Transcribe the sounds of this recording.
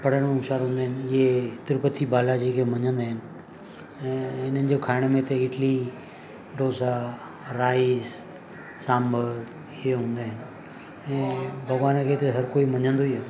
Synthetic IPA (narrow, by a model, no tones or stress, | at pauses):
pɐɽ̤əɽmẽʊʃaːɾɦũːnd̪aɦɪnɪɪet̪ɪɾpət̪ʰibaːlad͡ʑikʰemɐɲə̃nd̪aɦɪnɪ̆ | ɛ̃ːɪnənɪ̆d͡ʑokʰaːɪɽ̃mẽt̪ɐɪʈli | ɖoːsa | ɾaːiz | sãːmbəɾ | ɪɦeɦũːn̆d̪aɦɪnɪ̆ | ɛ̃ːbʱɐɣʋaːnkʰet̪ɐɦɐɾkoːimɐɲə̃nd̪oia